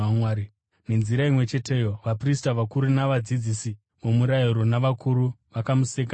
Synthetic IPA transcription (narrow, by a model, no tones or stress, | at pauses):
amwaːɾi | ne̞nziɾaimwe̞t͡ʃe̞tʰe̞jo̞ʋapristaʋakuɾunaʋad͡zid͡zisi | momuɾajiɾo̞naʋakuɾuʋakamusek̬a